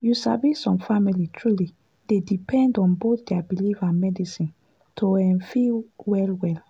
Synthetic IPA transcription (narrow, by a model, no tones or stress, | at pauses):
jusabisɔ̃mfamilitʰɹuli | d̥edipʰɛ̃ndɔ̃nboθdɛabilifãnmɛdisĩn | tʰoɛ̃nfiwɛlwɛl